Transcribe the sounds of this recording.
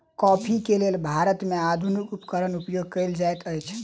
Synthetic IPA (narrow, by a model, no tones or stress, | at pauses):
kɔpʰikelelbʱaɾət̪mead̪ʱunikupkəɾənupjoɡ̚kəjld͡ʒajt̪əjt͡ʃʰ